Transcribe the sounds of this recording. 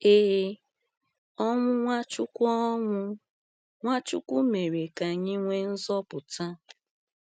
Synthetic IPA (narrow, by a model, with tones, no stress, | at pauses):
e˦e˦ | ɔ˦ŋʷʊ˦ŋʷa˦t͡ʃʊ˦kʷɔ˦ŋʷʊ˦ | ŋʷa˦t͡ʃʊ̰˦kʷu˦me˨ɾe˨ka˨ɲɪ˦ŋʷe˦n̩˦zɔ˦pʊ˨ta˦